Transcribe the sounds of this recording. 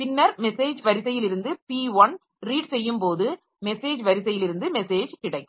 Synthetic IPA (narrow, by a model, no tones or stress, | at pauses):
pɪnːɐɾmɛseːd͡ʒʋɐɾɪsɐjɪlɪɾɯnd̪ɯpiːʋɐn | ɾiːɖsɛjːɯmpoːðɯ | mɛseːd͡ʒʋɐɾɪsɐjɪlɪɾɯnd̪ɯmɛseːd͡ʒkɪɽɐɪk